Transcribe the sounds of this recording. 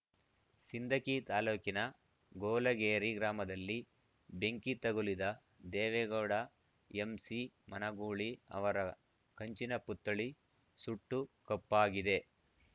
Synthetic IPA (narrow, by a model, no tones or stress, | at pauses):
sind̪ʱɐkit̪aːluːkinɐ | ɡoːlɐɡeːɾiɡɾaːmɐd̪ɐlːi | be̞ŋkit̪ɐɡulid̪ɐ | d̪ɛːʋɛɡɐːɽɐ | emsimɐnɐɡuːɭiɐ̰ʋɐɾɐ | kɐɲt͡ʃinɐput̪ːɐɭi | suʈːukɐpːaːɡid̪e̞